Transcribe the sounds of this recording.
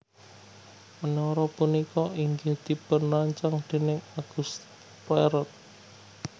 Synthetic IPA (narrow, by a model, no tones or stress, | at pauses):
mənɔɾɔpunikɔʔiŋɡehd̪̥i̤pənaɲt͡ʃaŋd̪̥e̤nɪŋaɡ̥ust̪ | pɛɾɔt̪̚